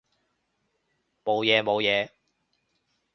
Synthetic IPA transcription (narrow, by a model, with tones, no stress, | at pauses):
mo˨˧wjɛː˨˧mo˨˧wjɛː˨˧